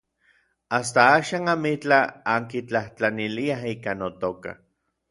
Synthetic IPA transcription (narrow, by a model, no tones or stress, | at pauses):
ast̪aaːʃaːnamit͡ɬaaŋkit͡ɬaht͡ɬaniliaɦiːkanot̪oka̰